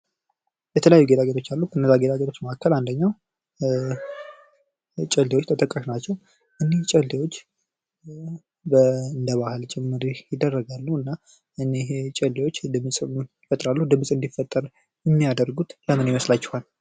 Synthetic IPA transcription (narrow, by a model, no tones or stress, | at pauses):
jɛt̪ʰələjajːuɡe̞t̪ʰʼaɡet̪ʰo̞t͡ʃːalːukʰəɨnːəzːaɡe̞t̪ʰaɡet̪ʰo̞t͡ʃːməʔakʰːəland̪əɲːaw | t͡ʃʼəld̪ewot͡ʃːt̪ʰət̪ʼəkʼːəʃnat͡ʃːɛw | ʔɨneht͡ʃʼəld̪ewo̞t͡ʃː | bəɨnd̪əβahɨlt͡ʃʼɛmːɨɾijɪd̪ːərːəɡalːuɨnːa | ʔɨnet͡ʃʼɛld̪ewo̞t͡ʃːd̪ɨmsʼɪfət̪ʼɾalːuhd̪ɨmsʼɨnd̪ifət̪ʼːəɾ | jɛmːijad̪əɾɡut̪jamɨnjɪməslat͡ʃːɛ̥hal